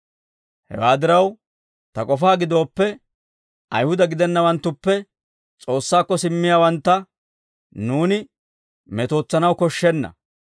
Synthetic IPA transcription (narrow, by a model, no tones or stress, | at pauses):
hɛ̰waːd̪ɪɾɐw | t̪ɐkʼɔfaːɡɪd̪o̞ːpːɛ | ɐjhʊd̪ɐɡɪd̪ɛnːɐwɐnt̪ːʊpːɛ | t͡sʼo̞ːsːaːkːɔsɪmːɪjaːwɐnt̪ːɐ | nuːnɪ | mɛt̪o̞ːt͡sːɐnɐwkɔʃːɛnːɐ̰